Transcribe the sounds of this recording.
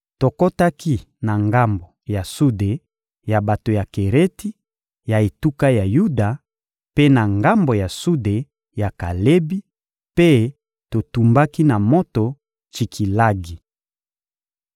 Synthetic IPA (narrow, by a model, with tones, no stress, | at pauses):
to˨ko˦ta˦ki˦ | na˨ŋɡa˦mbo˨ja˨su˦de˨ | ja˨ba˨to˨ja˨ke˨ʁe˦ti˦ | ja˨e˨tu˦ka˦ja˨ju˦da˨ | pe˦na˨ŋɡa˦mbo˨ja˨su˦de˨ | ja˨ka˨le˦bi˦ | pe˦ | to˨tu˨mba˦ki˦na˨mo˦to˨ | t͡ʃi˨kʰi˨la˦ɡi˨